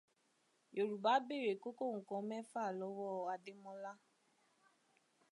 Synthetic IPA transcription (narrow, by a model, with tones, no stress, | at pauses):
jo˨ɾu˨ba˨˦be˦˨ɾe˨ko˦ko˦˨ŋ̩˨kɔ̃˨˦mɛ̃˦fa˦˨lɔ˨˦wɔ˦a˧de˦mɔ̃˦la˦